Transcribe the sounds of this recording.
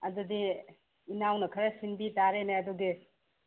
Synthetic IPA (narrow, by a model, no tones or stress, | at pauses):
ɐdudiː | nawnɐkʰɐɾɐsinbitaɾeneɐduɡi